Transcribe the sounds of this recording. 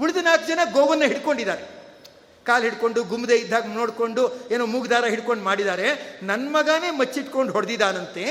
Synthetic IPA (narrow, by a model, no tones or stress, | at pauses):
uɭid̪ɐnaːk̚d͡ʒɐnɐɡoːʋɐnːɐɦiɽkoɳɖid̪aːɾe̞ | kaːlɦiɽko̞ɳɖuɡumːd̪eːid̪ʱːaːɡnoːɽkoɳɖueːnoːmuːɡd̪aːɾɐɦiɽko̞ɳɖmaːɽid̪aːɾe̞nɐnːmɐɡaːne̞ːmɐt͡ʃːiʈko̞ɳɖɦɔɽd̪id̪aːnɐnt̪e